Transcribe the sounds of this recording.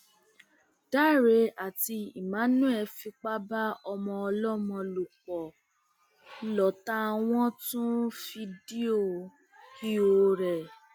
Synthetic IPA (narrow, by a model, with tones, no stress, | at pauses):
d̥a˦˨ɾe˨˦a˨ti˧ḭ˨mã˨˦nũ˦ɛ˧fi˧k͡pa˦ba˦ɔ˧mɔ̃˧ɔ˧lɔ˦mɔ̃˧lu˨k͡pɔ˨ | lɔ˨ta˦w̃ɔ̃˦tũ˦fi˧di˦o˦˨ | ki˦o˨ɾɛ˨